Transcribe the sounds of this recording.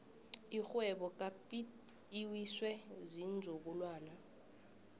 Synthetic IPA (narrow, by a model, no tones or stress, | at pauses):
ixwɛɓɔk̬ʼapi | iwiswɛzind͡zʱuk̬ulwaːla